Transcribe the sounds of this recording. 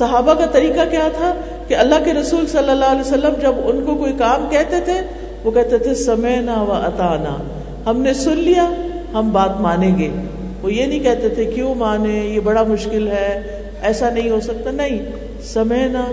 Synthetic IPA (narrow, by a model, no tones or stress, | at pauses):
sɐɦaːbakat̪ɐɾiːkakjaːt̪ʰa | keɐlːaɦkeɾɐsuːlsɐlːəlːaːɦlɛːsɐlːəmd͡ʒɐbʊnkokoːikaːmkɛɦt̪et̪ʰe | ʋokɛɦt̪et̪ʰesɐmɛːnaʋɐʔɐt̪aːna̰ː | hɐmnesʊnlija | ɦɐmbaːt̪maːnẽɡeː | ʋojenɐ̃ɦĩkɛɦt̪et̪ʰekjõːmaːnẽjebɐɽamʊʃkɪlɦɛː | ɛːsanɐɦĩɦosɐk̚t̪anɐɦĩ | sɐmɛːnaː